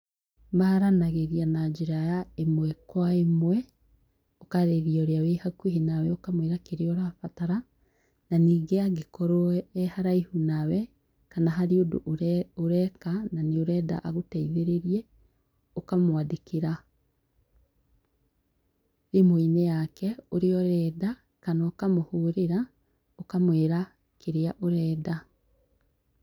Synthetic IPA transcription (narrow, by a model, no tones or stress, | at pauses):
maɾanaɣeɣianaɟeɾajaemwɛkwaemwɛ | okaɾeɣiɔoɾeawehakweɦenawɛokamoeɾakeɾeoɾafataɾa | naniːɡeaɡekoɾoːhaɾaihunawɛ | kanaɦaɾiodo̰ʔɾoɾɛkananeoɾɛːda̰ʔaɣotɛiðeɾeɾje | okamwadekiɾa | emoinejakɛoɾeɔɾɛːda | kanaokamohuɾeɾa | okamweːɾa | keɾeaʔoɾɛːda